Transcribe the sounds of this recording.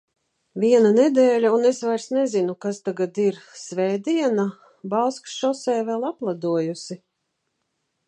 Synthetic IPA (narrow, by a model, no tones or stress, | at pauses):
viɛnaned̪ɛːlʲaunesvajɾsnezinukast̪aɡad̪iɾsvɛːd̪iɛna | balˠsksʃɔsɛːvɛlˠaplˠad̪uɔjusi